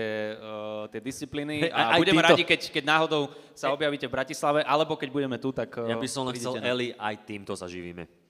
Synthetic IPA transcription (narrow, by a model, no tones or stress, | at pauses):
ɛ | t̪ɪɛd̪ist͡sipliːniabuɟɛmɛɾaɟikɛckɛɟnaːɦɔd̪ɔʊsaɔbjaʋiːcɛvbɾacislaʋɛʔalɛbɔkɛɟbuɟɛmɛt̪ut̪akjabissɔmlɛsɛlɛɛliʔajt̪iːmt̪ɔza̰ʒiʋḭːmɛ̰